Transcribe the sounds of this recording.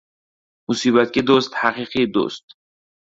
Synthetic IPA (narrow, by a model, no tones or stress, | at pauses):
musiːbæt̪ked̪ost̪haqiːqid̪o̰st̪